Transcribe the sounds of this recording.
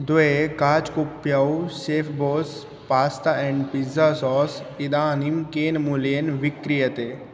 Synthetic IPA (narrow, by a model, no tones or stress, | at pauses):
d̪oekaːt͡ʃkupːjɐwseːfʰboːs | paːst̪aɛ̃ɳɖpizasɔːsid̪aːnimkeːnmulijenʋikɾijɐt̪e